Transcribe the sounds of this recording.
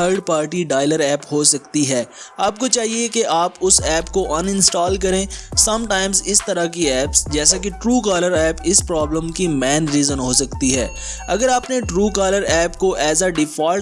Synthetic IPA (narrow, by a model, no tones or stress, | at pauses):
əɾɖpaːɾʈiɖaːɪləɾɛːpɦoːsɐkt̪iɦɛːaːp̚kot͡ʃaːɦiekeʔaːpʊsɛːpkoʔɐnɪ̃nsʈɔːlk̬ɐɾẽːsɐ̃mʈaːɪmzɪst̪ɐɾakiɛːpsd͡ʒɛːs̬akiʈɾuːkaːləɾɛːpɪspɾɔːblə̃mkimɛːnɾiːzə̃nɦoːsɐkt̪iɦɛː | ɐɡəɾaːpneʈɾuːkaːləɾɛːpkoʔɛːsaɖɪfaː